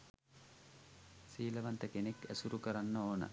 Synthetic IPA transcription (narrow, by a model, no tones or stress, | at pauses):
siːlɐʋant̪əkenekæsuɾukəɾanːəoːnə̰